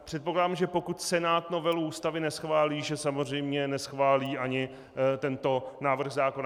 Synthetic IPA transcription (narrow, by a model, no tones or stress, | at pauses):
pr̝̥ɛt̪̚poklaːdamʒɛpo̞kut̪sɛnaːt̪no̞vɛluuːst̪avɪnɛsxvaːliːʒɛsamozr̝ɛjmɲɛnɛsxvaːliːʔaɲɪ | t̪ɛnt̪o̞naːvr̩xzaːko̞na